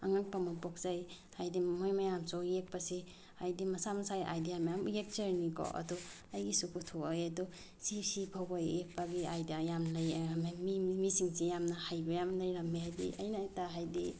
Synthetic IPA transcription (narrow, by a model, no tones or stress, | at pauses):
aŋaŋpamɐpok̚zaj | hajdimojmɐjamsojek̚pasi | ajdimɐsamɐsajʔa̰jdijamajamjek̚t͡ʃɐɾnikɔ̰ʔɐ̰du | ɐjɡisukutʰoajadu | sisibʰʱawbajek̚paɡiajdijajamlɐjaɾmemimisiŋsijamnɐhajbɐjamnlɐjɾɐmehajdḭʔɐ̰jnɐjtaɦajdi